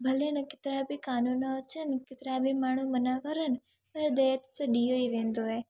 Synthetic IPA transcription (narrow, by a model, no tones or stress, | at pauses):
bʱɐlenɐkɪ̥t̪ɾabʱikaːnunt͡ʃənkɪt̪ɾabʱimaːɳ̤̃umənakəɾən | pɐɾd̪əjat̪t͡səɗijoiʋẽːnd̪oɦe